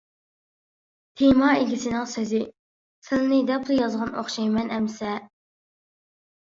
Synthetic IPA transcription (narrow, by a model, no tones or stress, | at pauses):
t̪ʰemɑeɡʲisɪnɪŋsøzɪ | sɪlnɪd̪ɛplˠujɑzʁɑno̰χʃɑjmɛnɛmsɛ